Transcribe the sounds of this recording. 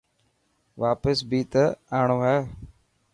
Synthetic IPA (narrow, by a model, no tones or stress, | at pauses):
ʋaːpəsbʱiːt̪əaːɳ̃oːɦɛː